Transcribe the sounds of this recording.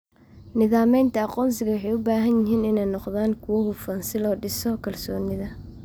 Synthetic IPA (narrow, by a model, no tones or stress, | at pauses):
nɪðaːmɛjnt̪ʰɐɑqɔːns̬ɪɣɐwħɛjʊbaːɦɐnjɪɦiːnɪnɛjnɔqðaːŋkʰʊwɔɦʊfɐnsɪlɔːɖɪsɔkʰɐlsɔːnɪðɐ